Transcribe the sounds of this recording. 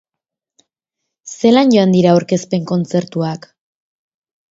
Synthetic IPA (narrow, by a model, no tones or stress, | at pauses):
se̞lanɟo̞and̪iɾaoɾke̞spe̞ŋko̞nt͡se̞ɾt̪uak